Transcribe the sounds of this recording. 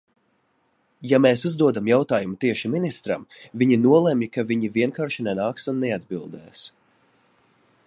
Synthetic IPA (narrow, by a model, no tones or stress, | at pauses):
jameːsuzd̪uɔd̪amjawt̪aːjumut̪iɛʃiminist̪ɾa̰mviɲinuɔlˠɛmjikaviɲivʲiɛŋkaːɾʃinɛnaːksunːɛad̪bilˠd̪ɛ̰ːs